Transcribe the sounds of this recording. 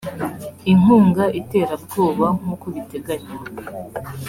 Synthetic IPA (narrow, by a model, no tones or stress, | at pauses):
iŋuːŋɡaʔite̞ːɾabɡoːβaŋ̥ukuβite̞ɡaɲiɾa